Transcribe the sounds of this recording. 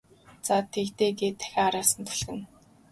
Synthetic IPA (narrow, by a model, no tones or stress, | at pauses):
t͡sat̪ʰekt̪eːɡeːt̪ʰːæ̥xʲaːaɾaːsə̆nt̪ʰɮxɘ̆n